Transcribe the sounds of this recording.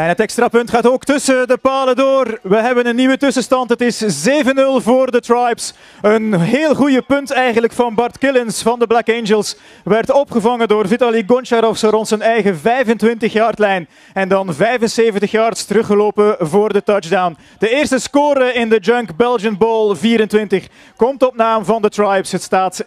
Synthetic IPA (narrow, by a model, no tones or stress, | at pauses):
ɛnɦətɛkstɾapɵntχaːtoːktɵsədəpaːlədoːrʋəɦɛbənənːiʋətɵsəstɑntɦətɪszeːvənɵlˠvoːrdətrajps | ənɦeːlˠχujəpɵntɛjɣənləkfɑnbɑrtkɪlɪnsfɑndəblakend͡ʒəlˠs | ʋɛrtɔpχəvɑŋəndoːrvitaliɡɔnt͡ʃaɾɔfsɔɾɔnsənɛjɣəvɛjvəntʋɪntəxjɑːrtlɛjn | ɛndɑnvɛjvənseːvəntəxjɑːrtstəɾɵχəloːpəvoːrdətɑd͡ʒdawn | d̥əɪːrstəskoːɾəɪndəd͡ʒœŋkbɛlˠd͡ʒənbolˠviːɾəntʋɪntəχ | kɔmtɔp̚naːmvɑndətrajpsɦətstaːt